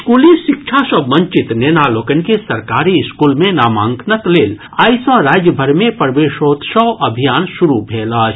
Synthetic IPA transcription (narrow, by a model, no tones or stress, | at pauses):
skuːliʃɪk̚t͡ʃʰasəbmɐ̃ɲt͡ʃɪt̪neːnaːloːkənkesɐɾkaːɾiɪskuːlmẽnaːmaːŋkʰnəkleːl | aːjsãɾaːd͡ʒjəbʱəɾmẽpəɾʋeːʃoːt̪ʃəwʔɐbʱijaːnʃʊɾubʱeːlaːt͡ʃʰ